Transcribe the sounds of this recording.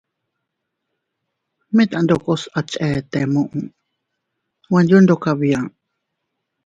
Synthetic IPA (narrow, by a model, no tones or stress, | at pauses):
mẽt̪and̪okosat͡ʃʼɛt̪ɛmũʔũ | wãnd͡ʒund̪okaβiaŋ